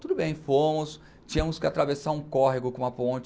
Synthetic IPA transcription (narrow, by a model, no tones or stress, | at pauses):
t̪ud̪ʊbẽj̃fomʊs | t͡ʃĩɲɐmʊskɪat̪ɾavesaɾũkɔɦɪɡʊkõũmɐpõt͡ʃ